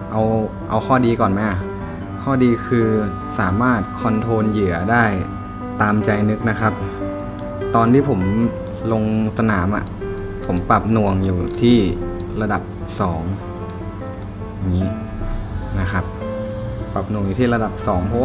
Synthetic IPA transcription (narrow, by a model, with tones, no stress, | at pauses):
ʔa˧w | ʔa˧wkʰɔː˥˩diː˧kɔː˨˩nma˦˥ʔa˨˩ | kʰɔː˥˩diː˧kʰɯː˧ | saː˩˦maː˥˩t̪̚kʰɔ˧nt̪ʰoː˧njɯ˩˦ɐdaː˥˩j | t̪aː˧mt͡ɕa˧jnɯ˦˥k̚na˦˥kʰa˦˥p̚ | t̪ɔː˧nt̪ʰiː˥˩pʰo˩˦m | lo˧ŋsa˧naː˩˦mʔa̰˨˩ʔ | pʰo˩˦mpa˨˩p̚nu˨˧˩əŋjuː˨˩t̪ʰiː˥˩ɾa˧da˨˩p̚ | sɔː˩˦ŋ | ja˨˩ŋːiː˦˥ | na˦˥kʰa˦˥p̚ | pːa˨˩p̚nu˧˩əŋjuː˨˩iː˥˩ɾa˧da˨˩p̚sɔː˩˦ŋpʰɔ˦˥w